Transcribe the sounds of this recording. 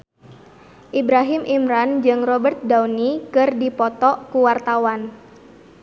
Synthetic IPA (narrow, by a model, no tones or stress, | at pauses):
ʔibɾaɦimʔimɾand͡ʒɨŋrɔbərt̪̚dawnikɨrdipɔt̪ɔʔkuwart̪awan